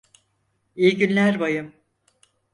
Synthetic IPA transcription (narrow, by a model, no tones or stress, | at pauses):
ijɟynlʲæɾbajɯm